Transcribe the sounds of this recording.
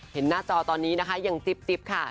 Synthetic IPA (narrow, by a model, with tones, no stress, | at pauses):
he˩˦nːaː˥˩t͡ɕɔː˧t̪ɔː˧nːiː˦˥na˦˥kʰa˦˥ja˨˩ŋt̪i˨˩p̚t̪i˨˩p̚kʰa˥˩